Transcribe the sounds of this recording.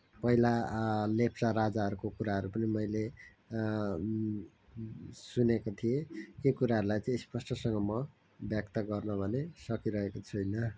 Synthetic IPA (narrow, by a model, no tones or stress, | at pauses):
pʌɦilalepʰsaɾad͡zaʌɾukokuɾaɦʌɾupʌnimʌjle | sunekot̪ʰijekekuɾaɦʌɾulajt͡sʌ̃ĩspʌsʈʌsʌŋɡʌmʌ | bjʌk̚t̪ʌɡʌrnʌbʱʌnesʌkiɾʌɦekot͡sʰujnʌ